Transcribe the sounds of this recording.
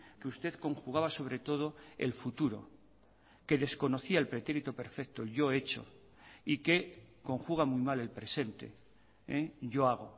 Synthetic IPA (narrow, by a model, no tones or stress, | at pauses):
keust̪e̞ðko̞ŋxuɣaβaso̞β̞ɾe̞t̪o̞ð̞o̞ḛlfut̪uɾo̞̰ | ke̞ðe̞sko̞no̞θiaelpɾe̞t̪eɾit̪ope̞ɾfek̚t̪oʎo̞e̞t͡ʃo̞̰ | ike̞ko̞ŋxuɣ̞amuimale̞lpɾe̞se̞nt̪e̞̰ | eʝo̞aɣ̞o̞̰